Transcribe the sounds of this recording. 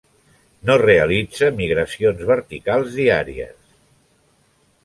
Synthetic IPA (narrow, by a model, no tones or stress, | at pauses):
noreəlid͡zəmiɣɾəsionzβəɾt̪ikalˠzðiaɾḭə̰s